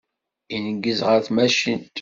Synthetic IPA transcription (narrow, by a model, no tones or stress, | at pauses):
inəɡːəzʁəɾθmæʃḭnt̪